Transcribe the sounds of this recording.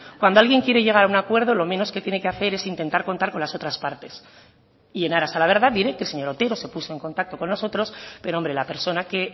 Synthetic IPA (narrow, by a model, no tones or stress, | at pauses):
kwand̪o̞alɣje̞ŋkje̞ɾe̞ʝe̞ɣ̞aɾaunakwe̞ɾð̞o̞lo̞mẽ̞no̞sket̪jene̞keaθe̞ɾe̞sint̪e̞nt̪aɾko̞nt̪aɾko̞nlaso̞t̪ɾaspaɾt̪e̞s | ie̞naɾasalaβ̞e̞ɾð̞aðiɾe̞kelseɲo̞ɾot̪e̞ɾo̞se̞puso̞e̞ŋko̞nt̪ak̚t̪o̞ko̞nːo̞so̞t̪ɾo̞spe̞ɾoombɾe̞lape̞ɾso̞nake̞